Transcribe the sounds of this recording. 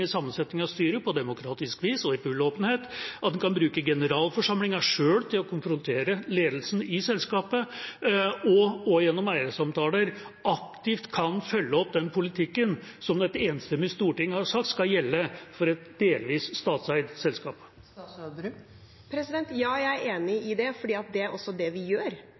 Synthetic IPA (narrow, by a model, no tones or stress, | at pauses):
ɪsɑmːənsɛt̪nɪŋɑst̪yːɾəpɔd̪ɛmʊkʰɾɑːt̪ɪskʋiːsɔɪbʉloːpənheːt̪ɑt̪̚d̪ɛnkʰɑnbɾʉːkəɡɛnəɾɑːlfɔʂɑmlɪŋɑʂøːɽt̪ʰɪlɔkʰʊnfɾʊnt̪ʰeːɾəleːd̪əl̩sn̩ɪsɛlskɑːpə | ɔɔjɛnːɔmæɪɾəsɑmt̪ʰɑːləɾɑkt̪ɪft̪kʰɑnfœlːəɔp̚ːd̪ɛnpʰʊlɪt̪ʰɪkːənsɔmd̪ɛt̪eːnst̪ɛmɪst̪uːʈɪŋːhɑɾʂɑk̚t̪skɑljɛlːəfɔɾɛt̪d̪eːlʋiːsst̪ɑːt̪sæɪd̪sɛlskɑːp | pʰɾɛsɪd̪ɛnt̪jɑːjæɪeːnɪɪd̪ɛfɔɖiːɑt̪̚d̪ɛæɾʔɔsːɔd̪ɛʋɪjøːɾ